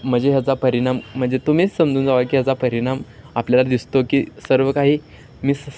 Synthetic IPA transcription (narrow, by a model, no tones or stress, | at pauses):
m̤əɳd͡zeɦjat͡sapəɾiɽ̃am̤ːəɳd͡zet̪um̤iːt͡ssəmd͡zuːnd͡zaʋakiːjat͡sapəɾiɽ̃amapljalad̪ist̪okiːsəɾʋəkaɦiː | miːs